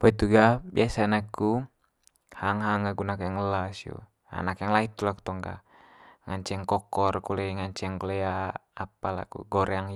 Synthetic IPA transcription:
pait̪uɡabḭasanakːu | haŋɦaŋaɡunakujaŋəlasjṵ | a̰nakjaŋlait̪ulaku̥t̪ɔŋɡa̰ | ŋaɲt͡ʃɛŋkɔkɔrkulɛŋaɲt͡ʃɛŋkulɛa | apala̰ɡṵɡɔɾɛaŋ

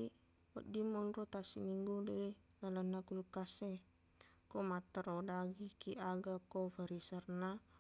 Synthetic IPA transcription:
wɔdimɔnrot̪asimiŋɡudɛli | nalanːakulkase | komat̪aɾodaɡikiʔaɡakofaɾisarna

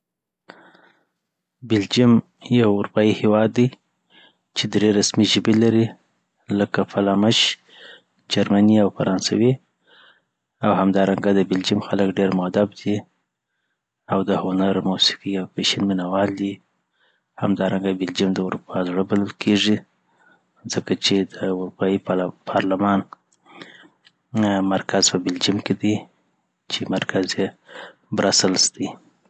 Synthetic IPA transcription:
bɪld͡ʒim | jawʊɾupɑjihewɑd̪ːaj | t͡ʃed̪ɾeɾasmiʒəbelaɾi | ləkafalɑmaʃ | d͡ʒaɾmaniawfaɾɑnsa̰wi | awhamd̪ɑɾaŋɡad̪əbɪld͡ʒimxaləkɖeɾmʊad̪ab̚d̪i | awd̪əhʊnaɾmusi̥qiawpeʃanmɪnawɑld̪i | ha̰md̪ɑɾaŋɡabɪld͡ʒimd̪əuɾupʰɑzɽəbaləlkʰeʐi | zəkat͡ʃed̪əʊɾupɑjipʰɑɾlamɑn | maɾkaz̥pəbɪld͡ʒimked̪i | t͡ʃemaɾkʰazje | bɾasəlsd̪i

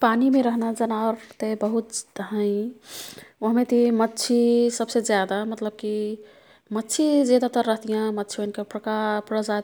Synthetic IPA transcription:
panimeɾəɦnad͡ʒənaɾt̪ebəɦut̪d̪ɦə̃ĩ | oɦmet̪imətːt͡ʃʰisəbsed͡ʒjad̪amət̪ləb̚ki | mətːt͡ʃʰid͡ʒed̪at̪əɾːəɦt̪ijãmətːt͡ʃʰionkepɾəkapɾəd͡ʒa

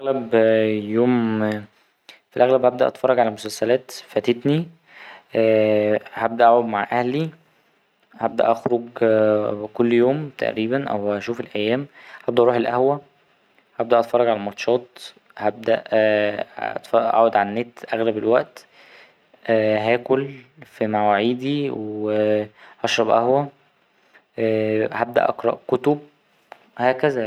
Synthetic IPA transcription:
ʔæɣlæbjoːm | filʔæɣlæbhæb̚d̪æʔɑt̪fɑrˤːɑɡʕalæmosælsælæːt̪fæt̪et̪ni | hæb̚d̪æʔaʕod̪maʕʔæhli | hæb̚d̪æ̰ʔɑxɾoɡ | kolːjoːmt̪æ̰ʔɾiːbænʔæ̰wæʃuːfelʔæjːæːmhæb̚d̪æʔɾˤuːħelʔæhwæ | hæb̚d̪æʔɑt̪fɑrˤːɑɡʕalæmɑt̪ʃɑːt̪ | hæb̚d̪æ̰ʔ | t̪fɑʔʔæ̰ʕod̪ʕalænːeːt̪ʔæɣlæbelwæʔt̪ | ɦæːkolfimæwæʕiːd̪iweʔɑʃɾˤɑbʔæhwæ | hæb̚d̪æ̰ʔɑqɾˤɑ̰ʔkot̪ob̚ | hæːkæzæ

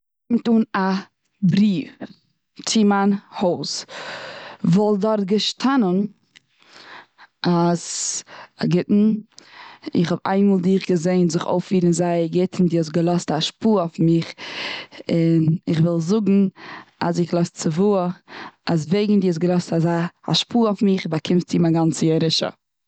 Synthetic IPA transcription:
mtuːna | bɾiːf | t͡sɪmanhoʊs | vɔlˠdɔɾtɡəʃtʰanən | ʔaz | aɡɪtn̩ | ɪχhɔba̰ɪnmoːlˠdiːχɡəzeɪnzɪχo̰ʊfiːɾənzaɪɡɪtʰn̩diːɔs̬ɡəlˠɔstaʃpuːofmɪχ | ɪnɪχvɪlˠzʊɡŋ̩a̰sɪχlˠɔɪst͡sɪvuːəas̬veɪɡŋ̩diːɔs̬ɡəlˠɔstazaɪa̰ʃpʰuːɔfmɪχbakʰɪmtiːmaɡant͡səɛɾɪʃə̰

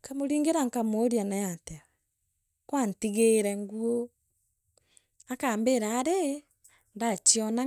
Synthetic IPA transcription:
kamoɾiːŋɡeɾaŋkamoːɾianajatɛwɛ | kwantiɣeɾɛŋɡuo | akaːmbeɾaːɾe | ndat͡ʃiɔna

